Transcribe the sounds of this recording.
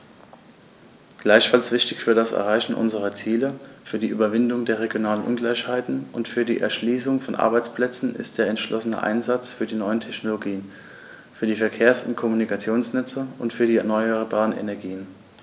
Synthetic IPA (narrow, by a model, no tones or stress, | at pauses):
ɡ̥laɪçfalsv̥ɪçtɪçfyːɐdasɛ̰ɐʁaɪçn̩ʔʊ̰nzəʁɐt͡siːləfyːɐdiːʔyːbɐvɪndʊŋdeːɐʁ̞eɡjonaːlənʔʊnɡlaɪçhaɪtn̩ʔʊntfyːɐdiːʔɛ̰ɐʃliːsʊŋfɔnʔa̰ɐbaɪt͡spl̥ɛt͡sn̩ɪ̰st̚d̥eːɐɛntʃlʔɔsənə̰ʔa̰ɪnzat͡sfyːɐdiːnɔʏəntʰɛçnoloɡiːən | fyːɐdiːfɛɐkʰeːɐsʊntkʰɔmunikʰat͡sjoːnsnɛt͡səʊntfyːɐdiːɛɐnɔʏəbaːʁənḛnɛɐɡiːən